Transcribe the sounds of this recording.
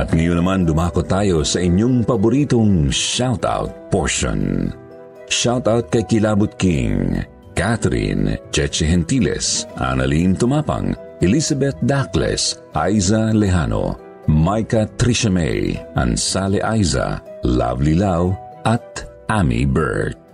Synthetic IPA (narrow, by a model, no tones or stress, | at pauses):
ʔɐt̪ŋɐjonɐmand̪ʊmaːkot̪ːaːjosɐʔɪɲːoŋpɐbʊɾiːt̪oŋʃawt̪a̰wt̪̚poɹʃo̰n | ʃawt̪awt̪̚kɐjkɪlaːbʊt̪̚kɪ̰ŋ | kat̪ɾḭnd͡ʒɛt͡ʃɛɦɛnt̪ilɛ̰sʔa̰nɐ̰lint̪ʊmaːpɐ̰ŋ | ɛlisɐbɛt̪̚d̪aklɛ̰s | ʔajzɐlɛɦano̰ | majkɐt̪ɾiʃɐmɛ̰jʔɐ̰nsaːlɛʔajzɐ̰la̰vlilaw | ʔɐt̪̚ | ʔamḭbɛ̰ɹt̪̚